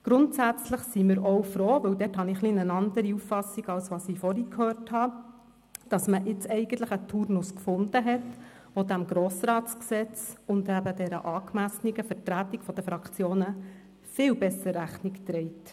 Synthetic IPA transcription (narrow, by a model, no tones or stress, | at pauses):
ɡ̥ɾʊntsæt͡sləχsimɪɾɔwfɾoːʋɵwdɛthɑniχlinənɑnd̪əɾiuffɑsiɡɑlsʋɑːsifɔɾikʰhøːɾthɑ | d̥ɑsməʔɪt͡sɛɪɡən̩t̪ləχət̪ʰːuɾnʊskfʊnd̥̪əɦɛt | ʋod̥̪æmɡ̥ɾoːsɾɑːtt͡sksɛt͡sʊnd̪æbədɛɾə̰ʔɑːkmæsniɡəfəɾtɾætikfɔd̥əfɾɑkʰt͡sjoːnə | fɪːwbɛsəɾæχnikt̪ɾɛɪt